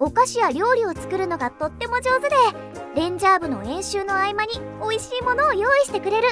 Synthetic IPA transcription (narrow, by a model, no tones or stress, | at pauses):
o̞kaɕiβaɾʲo̞ːɾʲio̞t͡sɨ̥kɯ̟ɾɯ̟no̞ɡat̪o̞t̪ːe̞mo̞d͡ʑo̞ːzɨd̪e̞ | ɾẽ̞ɲ̟d͡ʑaːbɯ̟no̞̰ẽ̞ɰ̃ɕɨːno̞aimaɲ̟io̞iɕiːmo̞no̞ːjo̞ːiɕi̥t̪e̞kɯ̟ɾe̞ɾɯ̟